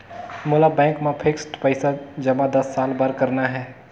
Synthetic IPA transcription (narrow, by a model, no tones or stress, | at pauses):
mʊlabɛ̃ːŋkmẽpʰɪksʈpəɪsad͡ʒɐmad̪ɐsːaːlbəɾkəɾnaɦɛː